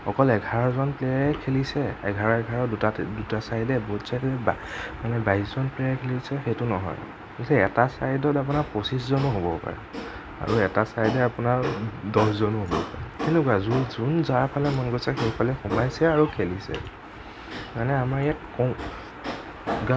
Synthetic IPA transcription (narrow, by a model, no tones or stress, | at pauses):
xɔkɔlɛɡʱaɹɔzɔnplɛaɹɛkʰelisɛɛ̰ɡʱaɹɔɛɡʱaɹɔtadutasajdɛboɦutsajdilɛbamanɛbaɦiszɔnplɛjakʰelisɛxejtʊnɔ̰ɦɔ̰j | ɡisɛɛtasajidɔtap̬unaɹposiszɔnuɦobɔpa̰ɹɛ̰ | a̰ɹuɛtasaɹdɛapunaɹdɔszɔnuɦobɔ̰pa̰ɹɛkenʊkuazuzunzaɹpʰalɛmɔnɡosɛxejpʰalɛxumajsɛaɹukʰelisɛ̰ | manɛamaɹijatkɔ | ɡa